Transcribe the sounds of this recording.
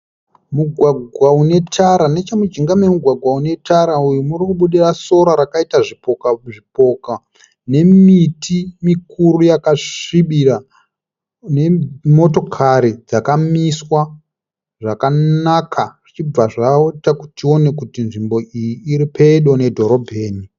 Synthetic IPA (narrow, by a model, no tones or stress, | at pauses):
muɡʱwaɡʱwaune̞tʰaɾane̞t͡ʃamud͡ʒiŋɡamemuɡʱwaɡʱwaune̞tʰaɾaujumurikuɓuɗiraso̞ɾaɾakaitaʐipokaʐipo̞ka | ne̞mitʰimikuɾujakaiɓira | ne̞mo̞to̞kʰaɾid͡zakamiswa | ʐakanakʰaʐ̥it͡ʃib͡vaʐaotaku̥tio̞ne̞kutinʐimbo̞ʔijiːɾipʰeɗo̞ne̞dʱo̞ɾo̞bʱe̞ːni